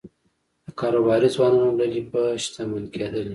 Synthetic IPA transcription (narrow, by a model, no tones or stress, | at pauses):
d̪̥əkɑɾobɑɾizwɑnɑnolalipəʃt̪aməlked̪əli